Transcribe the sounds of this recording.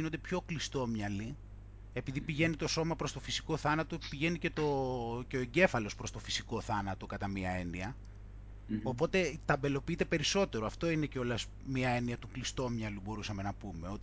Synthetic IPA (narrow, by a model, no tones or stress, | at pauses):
inond̪e̞pço̞klist̪o̞mɲɐli | epiðipiʝe̞nit̪o̞so̞mɐpɾo̞st̪o̞fisiko̞θɐnɐt̪opiʝe̞nice̞t̪o̞ceoeɲɟe̞fɐlo̞spɾo̞st̪o̞fi̥siko̞θɐnɐt̪o̞kɐt̪ɐmiɐe̞niɐ | o̞po̞t̪e̞t̪ɐbe̞lo̞piit̪e̞pe̞ɾiso̞t̪e̞ɾoɐft̪o̞ine̞ceo̞lɐs | miɐe̞niɐt̪uklist̪o̞mɲɐlubo̞ɾusɐme̞nɐpume̞o̞t̪